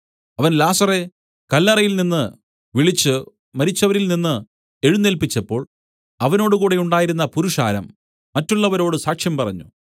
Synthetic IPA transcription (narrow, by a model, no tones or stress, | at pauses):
ɐʋɐnlaːsɐre̞ | kɐlːɐrɐjilninːɨ | ʋiɭit͡ɕːɨ | mɐɾit͡ɕːɐʋɐɾilninːɨ | e̞ɻunːelpit͡ɕːɐpːo̞ːɭ | ɐʋɐno̞ːɽukuːɽe̞uɳɖaːjiɾunːɐpuɾuʂa̰ːɾɐmː | ɐtːuɭːɐʋɐɾo̞ːɽɨsaːkʂjɐmpɐrɐ̰ɲːṵ